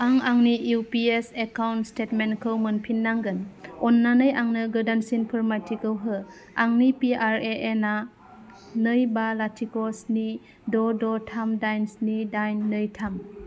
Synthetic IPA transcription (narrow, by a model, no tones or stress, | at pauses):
aŋaŋnijupiesekawntstetmenkʰɯwmɯnpʰinːaŋɡɯnɔnːanɯjaŋnɯɡɯdansinpʰɯɾmatʰikɯwɦɯ | aŋnipiaɾeʔena | nɯjbalatʰikɔsni | dɔdɔtʰamdajnsnidajnːɯjtʰam